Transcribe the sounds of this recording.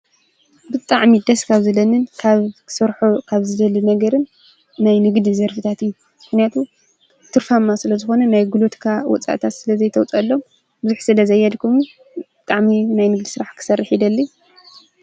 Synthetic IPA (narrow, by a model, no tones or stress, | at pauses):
bɨt̪ʼaʕmid̪ɐskʰaβzɨlɐnɨnkʰaβkʰsɐɾħokʰaβzɨlɐlunɐɡɐɾɨnː | ajnɨɡd̪izɐɾfɨt̪ʰat̪ɨjːu | mɨxnijat̪ʰu | t̪ʰɨɾfamːasɨlɐzɨxo̞nɐnajɡulot̪kʰawɔ̰t͡sʼa̰ʔt̪ʰat̪sɨlɐzɐjt̪ʰɐwt͡sʼɐlːo̞m | bɨzuħsɨlɐzɐjːɐlkʰum | bɨt̪ʼaʕminajnɨɡd̪isɨɾaħkʰɨ̥sɐrːiħid̪ɐlːi